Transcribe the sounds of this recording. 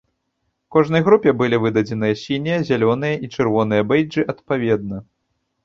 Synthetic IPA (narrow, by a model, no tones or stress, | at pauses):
kɔʐnɐjɣɾupʲɛbɨlʲivɨd̪ɐd͡zʲɛnɨjɐsʲinʲijɐzʲalʲɔn̪ɨjɐʔit͡ʂɨrvɔnɨjɐbɛjd͡ʐɨʔɐt̪pavʲɛd̪nɐ